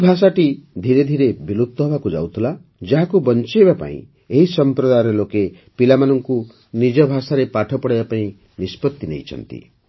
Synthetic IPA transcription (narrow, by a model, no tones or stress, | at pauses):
bʱas̬aʈid̪ʱiɾed̪ʱiɾebilut̪ːɔɦɔbakud͡ʒa̰wt̪ʰila | d͡ʒaɦakubɔnt͡ʃebapa̰ḭ̃ | eɦisɔmpɾɔd̪aɾɔloke | pilamanɔŋku | nid͡ʒɔbʱasaɾepaʈʰɔpɔɽebapaĩ | nispɔt̪ːinejt͡ʃʰɔ̰nt̪ḭ